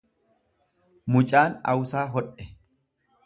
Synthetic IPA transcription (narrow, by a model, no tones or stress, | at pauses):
mʊt͡ʃʼaːnɐ̰wsaːɦɔᶑɛ